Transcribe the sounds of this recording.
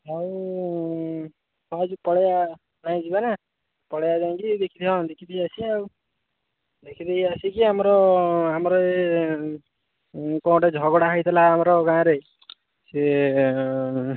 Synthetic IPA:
aw | ɦɔad͡ʒupɔɽeja | naj̃d͡ʒibana | pɔɽejad͡ʒaj̃kid̪ekʰit̪ʰiɦɔ̃d̪ekʰid̪eiasiaw | d̪ekʰid̪ejasikiamɔɾɔamɔɾɔe | kɔ̃w̃ʈed͡ʒʱɔɡɔɽaɦait̪ʰilaːmɔɾɔɡãːɾe | se

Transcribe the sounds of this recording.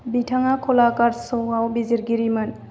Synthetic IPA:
bitʰaŋakʰɔlakaɾsɔawbiziɾɡiɾimɯn

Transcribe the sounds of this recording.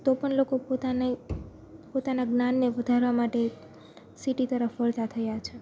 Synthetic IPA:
t̪opəɳlokopot̪ane | pot̪anaɡnanːeʋəd̪ʱaɾʋamaʈe | siʈit̪əɾəfʋəlt̪at̪ʰəjat͡ʃʰe

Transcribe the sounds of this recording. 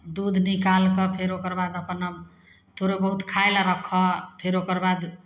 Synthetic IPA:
d̪ud̪ʱnikalkɔpʰeɾokəɾbad̪əpənə | t̪ʰoɾobəɦut̪kʰaelaɾəkʰːɔpʰeɾokəɾbad̪

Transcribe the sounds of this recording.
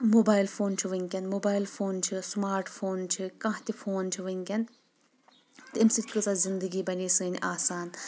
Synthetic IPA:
moːbaːjlfʰoːnt͡ʃʰiʋɐŋʲkʲɐnmoːbaːilfʰoːnt͡ʃʰismaːɾʈfʰoːnt͡ʃʰikɐ̃ːɦt̪ʲifʰoːnt͡ʃʰiʋɐŋkʲɐn | t̪ɐmsit̪ʰʲkɨsazɪnd̪ɨɡiːbɐniːsɨːnʲʔaːsaːn

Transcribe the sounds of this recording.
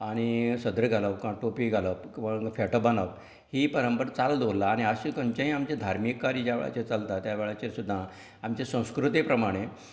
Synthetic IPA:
aɽ̃isəd̪ɾəɡʱaləpkãʈopiɡʱaləpʋəɡfɛʈəbanəp | hipəɾəmpəɾt͡sald̪ʋolaːɽ̃iaɕikəɲt͡ɕãɦĩamt͡ɕed̪ʱaɾmikːaɾiːd͡ʑaʋḛɭa̰t͡ɕet͡salt̪at̪jaʋeɭat͡ɕeɾsud̪ʱːã | amt͡ɕesə̃w̃skɾut̪ipɾəmaɽ̃e

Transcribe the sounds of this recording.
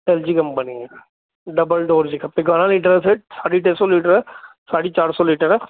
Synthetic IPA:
ʈɛːld͡ʒikɐmbɐnie | ɖɐbəlɖoːɾd͡ʒikʰɐpːeɡaːnãliːʈəɾɦɛsesaːɽiʈeːsɔliːʈəɾɦɛːsaːɽit͡ʃaːɾsɔliːʈəɾɦɛː

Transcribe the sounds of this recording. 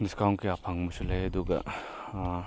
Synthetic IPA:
niskawŋkiapʰaŋmɐsulɐjɐduɡɐ̰

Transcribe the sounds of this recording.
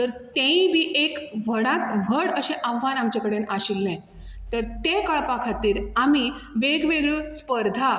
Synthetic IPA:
t̪əɾt̪ẽĩʋiːʔekʋəɽat̪ʋʱəɽəɕẽʔaʋːanamt͡ɕakəɽenaɕilnẽ | t̪əɾt̪ekəɭpakʰat̪ːiːɾami | ʋeɡʋeɡɭuspəɾd̪ʱa

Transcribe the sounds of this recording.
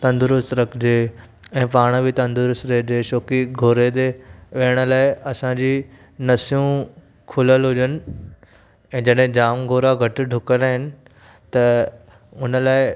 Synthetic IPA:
t̪ɐ̃nd̪ɾʊst̪ɾɐkʰd͡ʑeː | ɛ̃ːpaːɽ̃bʱɪt̪ɐ̃nd̪ʊɾʊsɾed͡ʑeːʃoːkiɡʱoːɾed̪eʋeːəɽ̃ə̆laːɪɐsãd͡ʑiː | nɐsijũ | kʰʊləlɦʊd͡ʑənɪ̆ | ɛ̃ːd͡ʑɐɗɦẽd͡ʑaːmɡʱoːɾaɡʱɐʈ̆ɖʱʊkənaːɦɪnɪ̆ | t̪ɐ | ʊnəlaːɪ

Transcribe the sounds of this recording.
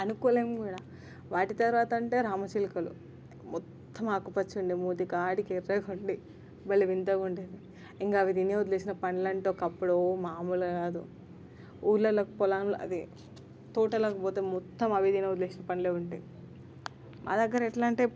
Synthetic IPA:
ɐnukɔːleːmɡuːɽa | ʋaːʈit̪ɐɾʋaːt̪ɐɐɳʈe̞ːɾaːmɐt͡ʃiːlikɐlṵ | mɔt̪ʰːɐmaːkːupɐt͡ʃːuɳɖimuːd̪ikaːɽikeɾːɐuɳɖi | bɐlːiʋint̪ɐɡuɳɖid̪i | iŋkaːʋid̪injeud̪leːsinɐpɐnilɐɳʈoːkɐpːuɽomaːmulɐɡaːd̪ṵ | uːɾlɐlɐkupɔlaːnulɐ̰d̪i | t̪uːʈɐlɐkɐpoːt̪eːmɔt̪ːɐmɐʋid̪inɐwud̪leːsinɐpɐniloːuɳʈaj | mʔa̰ːd̪ɐɡːɐɾɐiʈlaːɳʈe

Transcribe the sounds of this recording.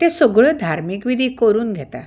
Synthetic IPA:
t̪esoɡɭəd̪ʱaɾmikʋid̪ʱiːkoɾuːnɡʱet̪a̰

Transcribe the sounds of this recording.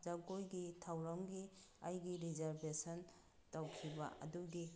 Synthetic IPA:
zaɡojɡitʰawɾamɡiajɡiɾizaɾbesɐn | tawkʰiba̰ɐ̰duɡi

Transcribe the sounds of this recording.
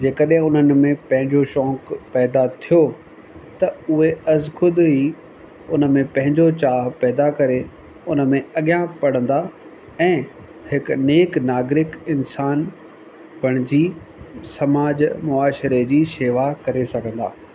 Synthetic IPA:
d͡ʑeːkəɗɦɪ̃ʊn̤ən̆mẽpɐ̃ɦɪ̃ɲd͡ʑoʃɔ̃ːkpɛːd̪at̪ʰijo | t̪ɐʊɦeɐzkʰʊd̪ɦi | ʊnə̆mẽpɐ̃ɦɪ̃ɲd͡ʑot͡ɕaːɦpɛːd̪akɐɾe | ʊnə̆mẽɐɠijãpɐɽ̤ə̃n̆d̪a | ɛ̃ː | hɪkneːknaːɡɾɪkɪnsaːn | b̥ʱɐɽ̃ɪd͡ʑiː | sɐmaːd͡ʑmʊaːʃɾed͡ʑiːʃeːʋakɐɾesɐɡʱə̃nd̪a̰ː

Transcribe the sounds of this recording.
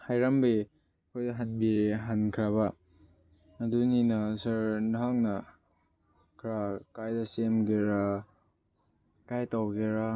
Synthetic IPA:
hajɾambi | kʰojdɐɦanbiɦankʰɾaba | duninɐsɐɾnɦaŋnɐ | kʰɾakajdɐsemɡeɾa | kajtawɡeɾa

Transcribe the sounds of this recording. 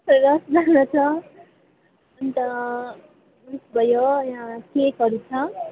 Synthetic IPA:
ɾʌsd͡zanʌt͡sʰʌ | ʌnt̪ʌ | ɾisbʱʌjojãkekʌɾut͡sʰʌ

